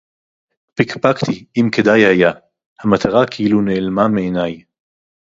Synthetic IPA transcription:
pikpakt̪iimked̪ajhaja | hamat̪ʰaʁakʰeʔiluneːlmameenaj

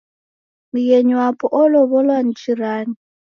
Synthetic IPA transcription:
mijeɲwapʼɔʔɔlɔβɔlwan̩t͡ʃʰiɾaːni

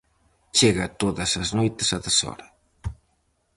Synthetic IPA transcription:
t͡ʃeɣɐt̪oðɐsɐznojt̪ɪsɐðɐsɔ̰ɾɐ

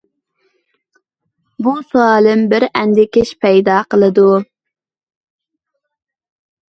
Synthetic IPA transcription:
busuɑːlˠɪmbɪɾɛnd̪ɪkʲɪʃpʰɛjd̪ɑːqəlˠɨd̪u

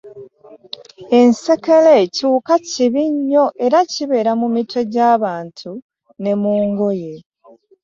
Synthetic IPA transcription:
ense̞kelecuːkaciβiɲːo̞ʔe̞ɾaciβe̞ːɾamumitʰo̞ɟaːβaːntʰu | ne̞muːŋɡo̞je̞

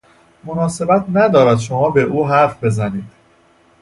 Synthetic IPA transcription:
mo̞nɒːse̞bæt̪ʰnæd̪ɒːɾæd̪ʃo̞mɒːbe̞ʔuːɦæɾfbe̞zæniːd̪̥

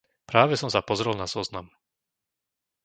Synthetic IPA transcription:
pɾaːʋɛsɔmsapɔzɾɛlˠnaz̥ɔznam

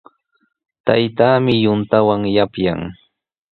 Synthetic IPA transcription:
t̪a̰jt̪aːmɪjʊnt̪awaŋjapja̰ŋ

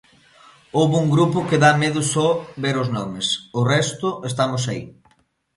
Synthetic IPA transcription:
owβuŋɡɾupʊkeðameðʊsɔβeɾʊznɔmesʊrɛst̪ʊest̪amʊsaḭ

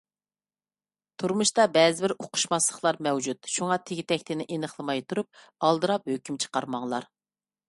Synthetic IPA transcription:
t̪ʰuɾmuʃt̪ɑbɛːzɪbɪɾoqʰʊ̥ʃmɑslˠəχlˠɑɾmɛwd͡ʒut̪̚ʃuŋɑt̪ʰɪɡʲit̪ɛkʲt̪ʰɪnɪʔenəχlˠɨmɑjt̪ʰuɾup̚ | ɑlˠd̪ɨɾɑphøkʲymt͡ʃʰə̥qɑɾmɑŋlˠɑ̰ɾ

